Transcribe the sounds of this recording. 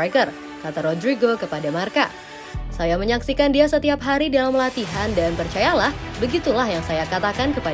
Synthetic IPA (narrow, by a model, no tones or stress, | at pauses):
akər | kat̪aɾɔdɾiɡokəpadamarka | sajaməɲaksikandiasət̪iap̚ɦaɾidalamlat̪iɦandanpərt͡ʃajalahbəɡit̪ulahjaŋsajakat̪akankəpa